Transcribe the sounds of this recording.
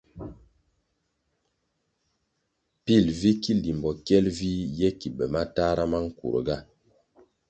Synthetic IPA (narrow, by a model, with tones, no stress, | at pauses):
pi˦˨lvi˦ki˦li˨m˨bɔ˨kjɛ˦lvi˦jɛ˦ki˨bɛ˨ma˦ta˦ɾa˦ma˦ŋ̩˦kṵ˨ɾ̰ɡa˦